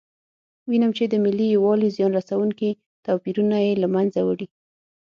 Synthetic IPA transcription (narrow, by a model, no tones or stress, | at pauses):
winamt͡ʃed̪əmɪlːijwɑlizjɑnɾasawuŋki | t̪ɑpiɾunajelamanzawəɽi